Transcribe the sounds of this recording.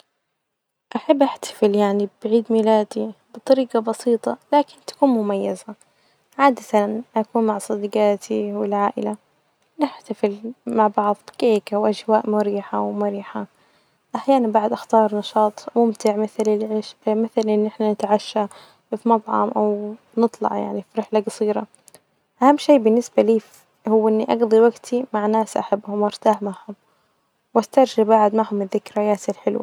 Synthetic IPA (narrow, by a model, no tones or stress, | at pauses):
ʔaħabːʔaħt̪ḁfɪljaʕnibʕiːd̪miːlaːd̪ibɨt̪ˤɑɾiːqɑbɑsiːt̪ˤɑ̰laːkɪnt̪ḁkuːnmʊmajːaza | ʕaːd̪at̪anʔakuːnmaʕsˤɑd̪ɡaːt̪ʰiwɪlʕaːʔɪ̰la | nɪħt̪afɪlmaʕbɑʕðˤbɪkeːkawʔaʒwaːʔmʊɾiːħawmʊɾiːħa | ʔaħjaːnabaʕd̪ʔaxt̪ɑːɾˤnɑʃɑːt̪ˤmʊmt̪ɪʕmɪθlɪlʕɪʃmɪθalʔɪnːʔɪħnanɪt̪ʕaʃːa | fimɑt̪ˤʕɑ̰mʔaw | nɨt̪ˤlɑ̰ʕja̰ʕnifiɾɪħlaɡɑsˤiːɾɑ | ʔahamːʃeːbɪnːɪsbaliːf | hʊwːʔɪnːiʔɑɡðˤiwaɡt̪ʰimaʕnaːsʔa̰ħabːhʊmɑɾt̪aːħmaʕhʊm | wʔast̪ɑɾˤʒabaʕd̪maʕhʊmɪðːɪkɾajaːsɪlħɪlwa̰